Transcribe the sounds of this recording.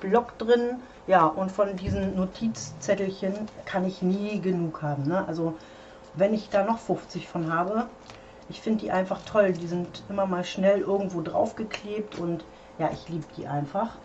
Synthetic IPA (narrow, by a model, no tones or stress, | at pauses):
b̥lɔkd̥ʁɪn | jaːʔʊntfɔndiːzm̩notʰiːt͡st͡sɛtl̩çənkʰanɪçniːɡənuːkhaːbm̩nəʔa̰lzo | vɛnɪçd̥aːnɔχfʊft͡sɪçfɔnɦaːbə | ʔɪçfɪndəd̥iːʔaɪnfaχtʰɔldiːzɪntʔɪmɐmaːlʃnɛlʔɪɐɡŋ̩tv̥oːdʁa̰ʊfɡ̥əkʰleːp̚tʊnt | jaːʔɪçliːbəd̥ḭːʔa̰ɪnfaχ